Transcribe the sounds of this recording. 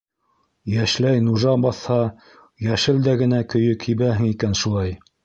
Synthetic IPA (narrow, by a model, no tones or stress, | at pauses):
jæʃlæjnuʒɑbɑθhɑ | jæʃɘld̪æɡɘ̆nækɵ̆jɵkʰiβæɦɘ̆ŋikænʃulˠɑj